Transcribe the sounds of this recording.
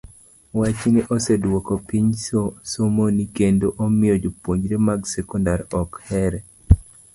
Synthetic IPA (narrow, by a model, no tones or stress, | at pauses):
wat͡ʃnɪʔosedwɔkɔpiɲsomonikendoʔomɪod͡ʒopwoɲd͡ʒɾemaɡsɛkɔndaɾɔkhɛɾɛ